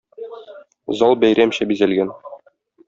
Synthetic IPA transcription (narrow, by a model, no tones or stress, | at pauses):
zɑlˠbæjɾæmɕæbizælɡæn